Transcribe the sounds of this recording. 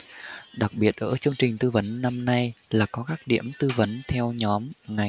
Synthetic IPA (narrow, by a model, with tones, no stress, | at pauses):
ɗa˨˩k̚ɓi˨˩ət̚ʔə̰ː˧˩t͡ɕɨ˧əŋt͡ɕï˨˩ŋ̟t̪ɨ˧və˨˦nːa˧mna˧jlaː˨˩kɔ˨˦kaː˦˥k̚ɗḭ˧˥əmt̪ɨ˧və˨˦nt̪ʰɛ˧wɲɔ˨˦mŋa˨˩